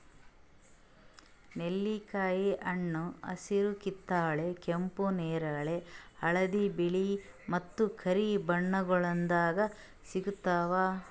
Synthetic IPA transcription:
nelːikaːjiʔɐɳːuɐ̰siɾukit̪ːaːɭekempuneːɾaːɭeɐɭɐd̪ibiɭi | mɐt̪ːukʰɐɾibɐɳːɐɡɐɭɐnd̪aːɡɐ | siɡut̪ːaːʋaː

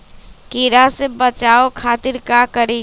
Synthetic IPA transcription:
kiɾasebət͡ʃaokʰat̪iɾkakəɾi

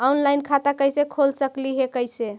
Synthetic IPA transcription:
aunlajnkʰat̪akəjsekʰolsəkliɦekəjse

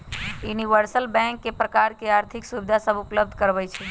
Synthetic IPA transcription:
juniʋəɾsəlbɛ̃ŋkːepɾəkaɾkeaɾt̪ʰɪksubd̪ʱasəbupləb̚d̪ʱkəɾʋət͡ʃʰɛ

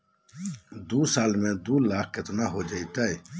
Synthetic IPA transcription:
d̪uːsaːlmẽd̪uːlaːk̚ʰket̪naɦod͡ʒait̪əj

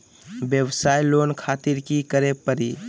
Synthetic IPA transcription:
bjəwsajlonkʰat̪iɾkikəɾepəɾi

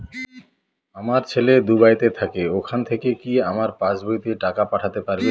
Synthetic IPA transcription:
amaɾt͡ɕʰeled̪ubajt̪et̪ʰakeokʰant̪ʰekekiamaɾpãt͡ɕbojt̪eʈakapaʈʰat̪epaɾbe

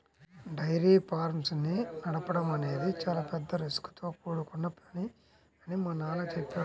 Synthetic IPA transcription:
ɖɐjɾiːpaːɾmsninɐɽɐpɐɽɐmɐne̞ːd̪it͡ʃaːlaːpɛd̪ːɐɾisku̥t̪o̞ːkuːɽukunːɐpɐni | ɐnimɐnːaːlɐt͡ʃepːeː

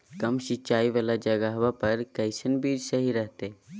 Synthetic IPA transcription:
kɐmʃɪt͡ʃaːiʋalad͡ʒɐɡaɦʋapɐɾkɐɪsənbiːd͡ʒsɐɦiɾəɦt̪e

